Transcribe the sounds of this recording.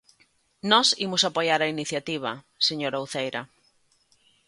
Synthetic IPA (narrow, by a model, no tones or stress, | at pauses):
nɔsimʊsapojaɾainiθjat̪iβ̞ɐ̰ | seɲoɾawθejɾɐ